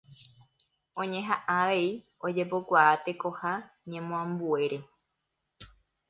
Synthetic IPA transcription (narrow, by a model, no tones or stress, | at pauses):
õ̞ɲẽ̞ɦaʔãʋe̞i | o̞d͡ʒepokʷaat̪e̞ko̞haɲẽmõãmbue̞ɾe̞